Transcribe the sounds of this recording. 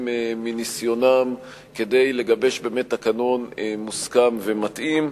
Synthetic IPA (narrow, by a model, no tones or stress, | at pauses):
meminisjo̞nam | ke̞de̞jle̞ɡabe̞ʃbeːmethakanonmuskamve̞matʔim